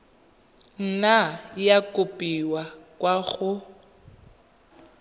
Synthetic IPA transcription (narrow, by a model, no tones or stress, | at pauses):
n̩najakʼʊpʼiwakʼwaɣʊ